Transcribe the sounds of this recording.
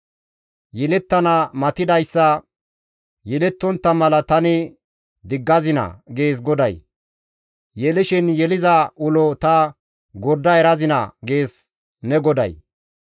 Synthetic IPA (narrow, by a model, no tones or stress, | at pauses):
jɛlɛt̪ːɐnɐmɐt̪ɪd̪ɐjsːɐ | jɛlɛt̪ːɔnt̪ːɐmɐlɐt̪ɐnɪ | d̪ɪɡːɐzɪnɐ̰ɡe̞ːs̬ɡɔd̪ɐj | jɛlɪʃɪnjɛlɪzɐʔʊlɔt̪ɐ | ɡɔɾd̪ːɐɛɾɐzɪnɐ̰ɡe̞ːs | nɛɡɔd̪ɐ̰j